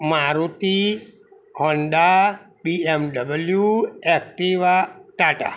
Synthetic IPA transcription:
maɾut̪i | ɦɔnda | biemɖəbəljuek̚ʈiʋaʈaʈa̰

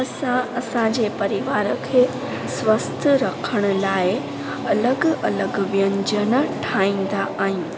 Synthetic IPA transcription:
əsãɐsãd͡ʑepɐɾiʋaːɾəkʰeː | sʋəst̪ʰəɾɐkʰəɽ̃əlaːe | ɐləɡɐləɡʋjə̃ɲd͡ʑənəʈʰaːĩn̆d̪aʔaːɦĩn

